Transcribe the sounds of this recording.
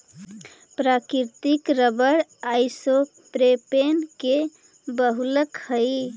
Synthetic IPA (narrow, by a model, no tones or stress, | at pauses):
pɾakiɾt̪ikɾəbəɾaɪso | pɾepenke | bəɦuləkhəj